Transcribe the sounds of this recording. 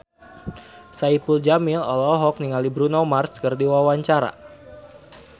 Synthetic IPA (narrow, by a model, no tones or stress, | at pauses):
saipuld͡ʒamilɔ̰lɔɦɔk̚niŋalibɾunɔmarskərdiwawaɲt͡ʃaɾa̰